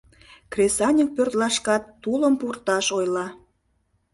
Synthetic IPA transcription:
kresɑnʲək̚pørt̪lɑʃkɑt̪ːuləmpurt̪ɑʃojlɑ

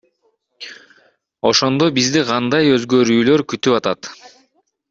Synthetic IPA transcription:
o̞ʃo̞nd̪o̞bizd̪iqʰɑnd̪ɑjøzɡø̞ɾyːlø̞ɾkyt̪ypɑt̪ɑt̪

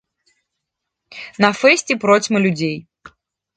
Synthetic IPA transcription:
nɐfɛsʲt͡sʲɛpɾɔt͡sʲmɨlʲud͡zʲej

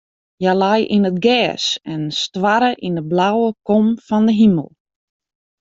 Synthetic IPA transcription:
jalajʔinət̚ɡɛːsɛnstwaɾəʔindəblawəkɔmfɔndəɦimə̰lˠ

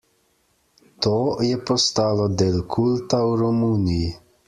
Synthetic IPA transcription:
t̪oːjɛpɔst̪aːlɔd̪eːlkʰult̪awɾɔmuːniji

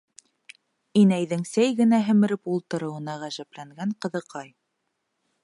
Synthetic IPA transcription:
inæjðɘŋsæjɡɘ̆næɦɘ̆mɘ̆ɾɘpulˠt̪ɤ̆ɾɤ̆wɤ̆nɑʁæʒæplæŋɡæɴqɤ̆ðɤ̆qɑj

